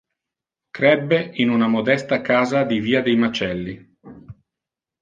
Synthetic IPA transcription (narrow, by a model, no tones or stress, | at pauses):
kɾɛbːeinunamod̪ɛst̪akaːzad̪iviːad̪ejmat͡ʃɛlːi